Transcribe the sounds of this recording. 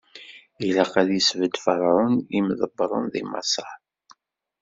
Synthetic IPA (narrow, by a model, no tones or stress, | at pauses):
ilaqæðisvəd̪fəɾˤʕʊnimðəbːɾˤʊ̰nðḭmɑ̰sˤɑ